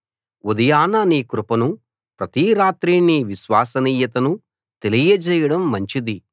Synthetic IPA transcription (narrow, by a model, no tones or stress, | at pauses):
ud̪ɐjaːnɐniːkɾupɐnu | pɾɐt̪iɾaːt̪ɾiːniʋiʃʋaːsɐniːjɐt̪ɐnu | t̪e̞lijɐt͡ʃɛːjɐɽɐmːɐɲt͡ʃid̪i